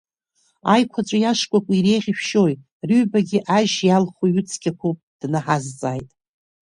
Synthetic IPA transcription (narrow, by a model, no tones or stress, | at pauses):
ajkʷʰat͡ʃʷʼajaʂkʷʼakʷʼiɾe̞jʁʲiʃᶣʃoj | riɥbaɡʲɪʔaʒjalχuɥut͡sʰkʲʰʼakʷʰopʼd̥naħazt͡sʼajtʼ